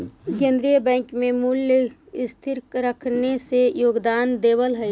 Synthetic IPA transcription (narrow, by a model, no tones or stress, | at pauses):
kẽːnd̪ɾijəbɛ̃ːŋkmẽmʊljəɪst̪ʰɪɾkɾəkʰnesejoːɡd̪aːnd̪eːwəlɦɛ